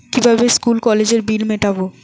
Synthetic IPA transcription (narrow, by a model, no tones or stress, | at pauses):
kibʱabeskulkɔled͡ʑeɾbilmeʈabo